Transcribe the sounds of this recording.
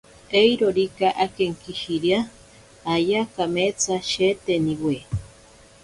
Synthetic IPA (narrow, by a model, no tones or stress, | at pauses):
ejɾoɾikaʔakeŋkiʃiɾjaː | jakamet͡saʃet̪eniwe